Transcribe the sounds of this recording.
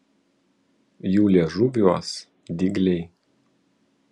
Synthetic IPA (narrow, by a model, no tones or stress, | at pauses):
juːlʲiɛʒʊbʲuɔs | d̪ʲɪɡlʲɛɪ